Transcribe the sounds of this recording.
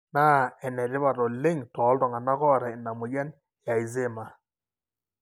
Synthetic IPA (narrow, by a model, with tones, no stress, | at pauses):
naː˦˨ɛ˨nɛ˨dɪ˦βa˨ɾɔ˨lɪ˦ŋtɔ˨˦ltɔ˨ŋa˨na˦kɔ˦˨ɾa˨ɪ˨na˨mʊ˨d͡ʒa˦n | ja˨i˨z̬e˦˨ma˨